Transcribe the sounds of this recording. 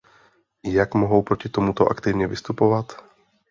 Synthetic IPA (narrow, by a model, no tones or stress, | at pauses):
jakmoɦowpɾocɪt̪omut̪o̞ʔa̰kt̪ɪvɲɛvɪst̪upo̞vat̪